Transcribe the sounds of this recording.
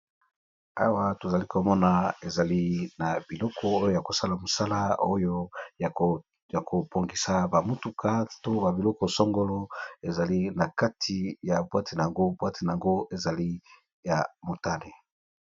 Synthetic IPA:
a̰˦wa˦to˨za˨li˦ko˨mɔ˦na˨e˨za˨li˦na˨bi˨lɔ˦kʰɔ˨o˦jo˦ja˨ko˨sa˦la˨mo˨sa˦la˦o˦jo˦ | ja˨kʰo˨pʰo˨ŋɡi˨sa˨ba˨mu˦tu˨kʰa˦to˦ba˨bi˨lɔ˦kɔ˨sɔ˦ŋɡo˦lɔ˦e˨za˨li˦na˨ka˦tʰi˨ja˨bwa˦tʰi˨na˨a˨ŋɡo˦bwa˦tʰi˨na˨a˨ŋɡo˦ʔe˨za˨li˦ | ja˨mo˨ta˦le˨

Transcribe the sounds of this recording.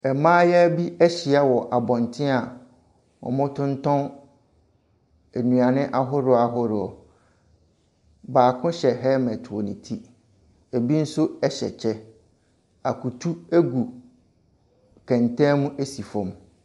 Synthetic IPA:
ɛ˨mãː˦jɛ˦æ˦bi˦æ˦ɕi˨a˦wɔ˨ʔa˨bɔ̃˨ntʰɪ̃˦a˨ | wɔ̰˨mʊ̃˦tʰʊ̃˦n˦tʰɔ̃˦n | æ˨nũ˨a˨nɪ̃˦ʔa˦ɦʊ˦ɾʊ˦a˨ɦʊ˦ɾʊ˨ɔ̰˨ | baː˨kʰʊ̃˦ɕɛ˨ɦɛ˦mɛ̃˨tʰɔ˨nɪ̃˨tʰi˦ | e˨bi˦n̩˦sʊ˦ɛ˨ɕɛ̰˨t͡ɕʰɛ˦ | a˨kʰu˨tʰu˦æ˦ɡu˨ | kʰɛ̃˨ntʰɛ̃˦mũ˦ʔe˦si˨fɔ̃˨m

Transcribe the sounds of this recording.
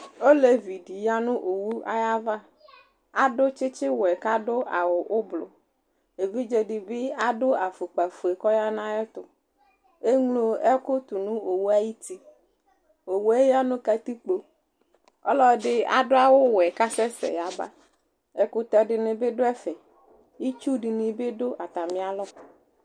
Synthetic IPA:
o˦le˨vi˨ɖi˨ja˦nũ˦ʔo˨wu˦a̰˦ja˦va˦ | a˨ɖʊ˦t͡ʃɪ˦t͡ʃɪ˦wɛ˨ka˦ɖʊ˦ʔa˨wʊ˨ʔʊ˦blʊ˨ | e˨vi˦d͡ʒe˨ɖi˨bɪ˦a˦dʊ˦a˨fu˨k͡pa˨fu˨e˨kɔ˦ja˦nã˦e˦t̪ʊ˦ | e˦ŋlo˦ɛ˦kʊ˦t̪u˨nũ˦o˨wu˦a˦ji˦t̪i˦ | o˨wu˦e˦ja˦nʊ̃˦ka˦t̪i˦k͡po˨ | ɔ̰˦lɔ˦˨ɖɪ˦a̰˨dʊ˦a˦wʊ˦wɛ˨ka˦sɛ˦sɛ̰˨ja˨ba̰˦ | ɛ˨kʊ˦t̪ɔ˨ɖɪ˨nɪ̃˨be˦ɖʊ˦ɛ˦fɛ˨ | ji˦t͡ʃu˦ɖi˨nĩ˨be˦dʊ˦ʔa˨t̪a˨mĩ˨a˨lɔ˦

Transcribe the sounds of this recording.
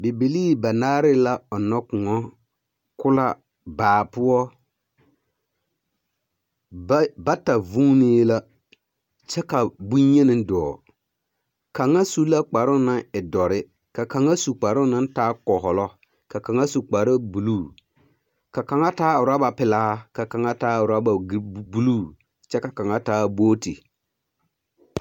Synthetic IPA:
bi˨bi˨liː˦ba˨naː˦ɾɪ˦la˦ɔ˨nɔ˦kʊ˨ŋɔ˦ | kʊ˦la̰˦ | baː˨pʊ˦ɔ˦ | ba˦ta˨vu˦ŋ˦ni˦la˦ | t͡ʃɛ˦ka˨bu˦ɲe˦nɪ˦dɔː˨ | ka˨ŋːa˦su˦la˦k͡pa˨ɾʊ˦na˦ɪ˨dɔ˨ɾɪ˦ | ka˨ka˨ŋa˦su˨k͡pa˨ɾʊ˦na˦n˦taː˦kɔ˨ɦɔ˨lɔ˦ | ka˨ka˨ŋa˦su˨k͡pa˨ɾɪ˦bu˨lu˦˨ | ka˨ka˨ŋa˦taː˦ʊ˨ɾa˦ba˨pɪ˨laː˦ka˨ka˨ŋa˦taː˦ʊ˨ɾa˦ba˨bu˦lu˦˨ | t͡ʃɛ˦ka˨ka˨ŋa˦taː˦boː˦tḭ˨

